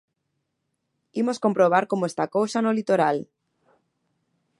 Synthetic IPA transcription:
imoskompɾoβ̞aɾkomoest̪akowsanolit̪oɾal

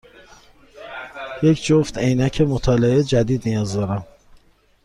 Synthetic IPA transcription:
jecʰd͡ʒoft̪ejnæcʰemot̪ʰɒːleed͡ʒæd̪iːd̪nijɒːzd̪ɒːɾæm

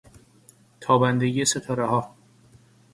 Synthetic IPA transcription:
t̪ʰɒːbænd̪e̞ɟijeset̪ʰɒːɾeɦɒː

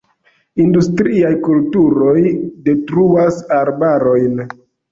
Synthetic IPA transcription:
industɾiajkultuɾo̞jde̞tɾuasaɾbaɾo̞jn

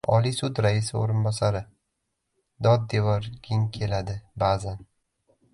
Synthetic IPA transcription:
ɒlisʊd̪ɾaɪsɪo̰ɾɪnbɒsaɾɪ | d̪ɒd̪̚ːe̞vɒɾɡʲɪŋkʲʰe̞lad̪ɪbazan

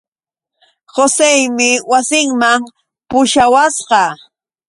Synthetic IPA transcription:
hosejmɪwasɪŋmam | pʊʃawasɢɑ

